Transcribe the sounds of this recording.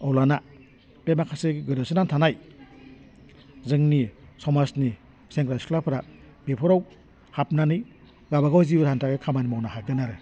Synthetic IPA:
ɔwlana | b̥emakʰasɯɡɯɾasɯnantʰanaj | zɯŋnisɔmasni | seŋkɾaskʰlapʰɾa | b̥epʰɔɾaw | hap̚nanɯj | ɡabaɡawzibɾantaɡɯkʰamanimawnahaɡɯnaɾɯ

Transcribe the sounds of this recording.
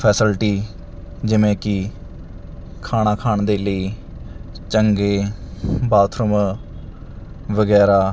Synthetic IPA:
pʰɛːsɪlʈiː | d͡ʒɪʋẽːkɪ | kʰaːɽ̃aːkʰaːɳd̪eːləiː | t͡ʃəŋɡeːbaːt̪ʰɾəm | ʋəɡɛːɾaː

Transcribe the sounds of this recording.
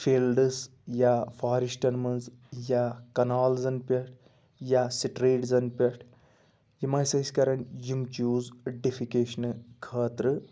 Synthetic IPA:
fiːlɖɨs | jafaːɾiʃʈɐnmɐnz | jakɐnaːlzɐnpʲɐʈ | jasiʈɾeːʈzɐnpʲɐʈ | jimɐjsɐsʲkɐɾɐɳjimt͡ʃuːzɖifikeːʃɐnɨkʰɐːt̪ɾɨ

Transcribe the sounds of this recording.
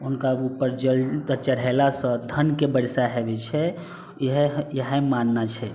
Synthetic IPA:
unkaupəɾd͡ʒəldət͡ʃəɾɛlasə̃d̪ʱənkebəɾsaɦebɛt͡ʃʰɛ | ɦɛjəɦɛ̃manːat͡ʃʰɛ

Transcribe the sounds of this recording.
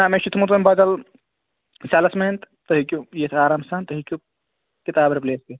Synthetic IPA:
naːmẽʃit̪ʰmut̪ɐmbad̪ɐl | saːlɐsmeːnt̪t̪ɐɦikʲjujet̪ʰaːɾaːmsaːnt̪ɐɦikʲju | kit̪aːbɐɾpleːske

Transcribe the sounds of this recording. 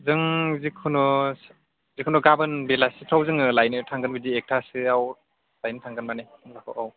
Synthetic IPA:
zɯŋzikʰɯnɔs | zikʰunɔɡabɯnbelasɯtʰawzɯŋɯlajnɯtʰaŋɡɯnbɯdiek̚tʰasɯaw | lajnɯtʰaŋɡɯnmaneŋlakʰɔ̰wʔaw

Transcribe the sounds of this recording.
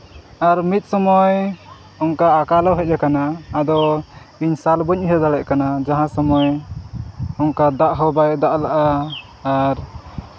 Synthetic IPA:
aɾmit̪̚sɔmɔj | ɔŋkaːkalɔwɦɛc̚ˀɛkanaːd̪ɔ | iɲsalbɔɲɦɛd̪alɛʔ̚kanad͡ʒaɦãsɔmɔj | ɔŋkad̪aʔɦɔbajd̪aʔlaʔaː | ɾ

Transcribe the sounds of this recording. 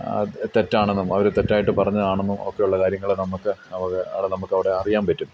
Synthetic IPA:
ɐ̰t̪etːaːɳenːumɐʋɐɾut̪etːaːjiʈːɨpɐrɐɲːɐðaːɳenːumo̞̰kːe̞juɭːɐkaːɾjɐŋːɐɭenɐmukːɨɐʋɐɣɐɽenɐmukːɐʋiɽe̞ɐrijaːmpɐtːum

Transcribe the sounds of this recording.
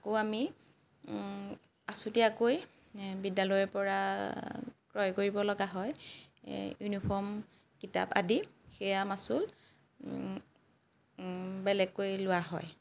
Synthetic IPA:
akoami | asutɛakoj | bidalɔjɔpɔɹa | kɹɔjkoɹibɔlɔɡaɦɔj | junipʰɔɹm | kita̰pa̰dixɛjamasʊl | bɛlɛɡ̚kojlʊwaɦɔ̰j

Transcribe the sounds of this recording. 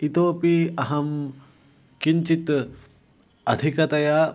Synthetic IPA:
it̪oːpiɐɦɐm | kiɲt͡ʃit̪ | ɐd̪ʱikɐt̪ɐja

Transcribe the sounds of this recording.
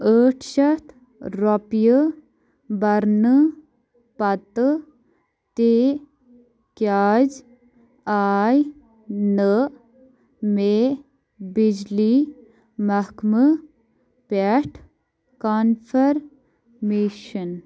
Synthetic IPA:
əːʈʰʃɐt̪ | ɾopjə | bɐɾnɨ | pɐt̪ | t̪e | kjaːd͡ʒ | aːj | nə | me | bid͡ʒli | mɐkmɨ | peʈʰ | kaːnfʰɐɾ | meːʃɐn

